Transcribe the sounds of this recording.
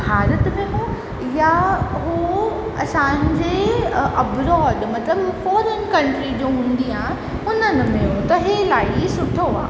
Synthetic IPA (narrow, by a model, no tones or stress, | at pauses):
bʱaːɾət̪mẽɦõ | jaɦu | ɐsãɲd͡ʑeɐbɾɔːɖmɐt̪ləbfɔːɾənkɐ̃ɳʈɾid͡ʑoːɦũːnd̪iaːɦẽ | ʊnənɪ̆mẽɦõt̪ɐɦelaːisʊʈʰoaː